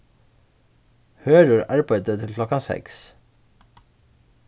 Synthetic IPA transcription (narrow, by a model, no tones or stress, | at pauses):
høːɾəɹɑɹbæɪd̪ət̪ʰɪlkʰlɔkɑsɛ̰ks